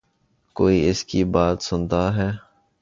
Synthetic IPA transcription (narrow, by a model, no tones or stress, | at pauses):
koːiɪskibaːt̪sʊnd̪aːɦɛː